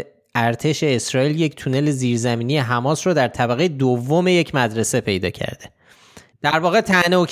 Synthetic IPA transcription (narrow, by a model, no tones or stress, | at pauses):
æɾt̪ʰe̞ʃe̞ːsɾɒːiːlje̞ct̪ʰune̞le̞ziːɾzæmiːnije̞ɦæmɒːsɾod̪æɾt̪ʰæbæɣejed̪ovːo̞me̞jecʰmæd̪ɾe̞se̞pʰe̞jd̪ɒ̰ːcʰæ̰ɾd̪̥e̞ | d̪̥æɾvɒːɣet̪ʰæneoc